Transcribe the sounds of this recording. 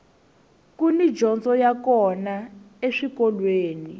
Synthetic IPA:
kunid͡ʒɔnsɔjakɔna | eʂikɔlweːni

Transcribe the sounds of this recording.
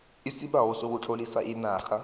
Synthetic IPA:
isiɓawɔsok̬ut͡ɬʰolisaʔinaːxa

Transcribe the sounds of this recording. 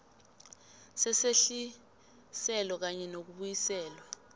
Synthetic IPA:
sɛseɬi | sɛlɔk̬aɲɛnok̬uɓujisɛːlwa

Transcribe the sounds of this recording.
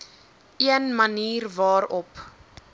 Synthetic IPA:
iənməniːrvɑːɾɔp

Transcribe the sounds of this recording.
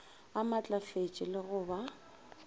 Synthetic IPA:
amat͡ɬʼafet͡ʃʼɪlɪɣʊba

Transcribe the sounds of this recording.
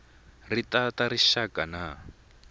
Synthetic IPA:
ritataɾiʃakana

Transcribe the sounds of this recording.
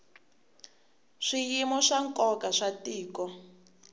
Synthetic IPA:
ʂijimɔʂaŋkʼɔkaʂatiːkɔ

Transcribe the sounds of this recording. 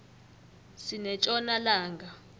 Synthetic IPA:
sinɛt͡ʃʼɔnalaːŋɡʱa

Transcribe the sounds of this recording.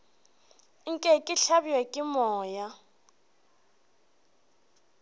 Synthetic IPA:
ŋ̩kʼɛkʼɪɬabiwɛkʼɪmɔːja

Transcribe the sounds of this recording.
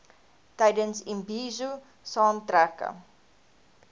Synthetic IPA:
tɛjdənsimbiːzu | sɑːntɾækə̰

